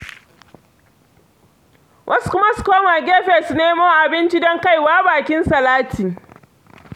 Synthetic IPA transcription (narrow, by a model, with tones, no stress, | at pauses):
wʔɐ˦su̥˦kʊ˦ma˦su̥˦koː˦maː˨ɡʲeː˦ɸeː˨su˨neː˦moː˦ʔa˨bɪ˦nt͡ʃi˦dɔ˦ŋka˦˨jwaː˦baː˨kʲɪ˦nsɐ˨laː˦tiː˨